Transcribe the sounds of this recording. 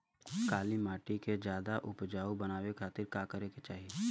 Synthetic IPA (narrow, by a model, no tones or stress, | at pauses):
kaːlimaːʈiked͡ʒjaːd̪aʔʊpd͡ʒaːubɐnaːwekʰaːt̪ɪɾkaːkəɾeket͡ʃaːɦie